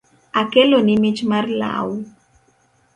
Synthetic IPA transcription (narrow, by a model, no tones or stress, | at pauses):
akelonɪmɪt͡ʃmarla̰w